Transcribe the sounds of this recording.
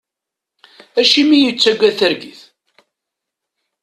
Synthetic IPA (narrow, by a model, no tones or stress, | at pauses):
æʃimijət͡sːæɡʷæθəɾɡiθ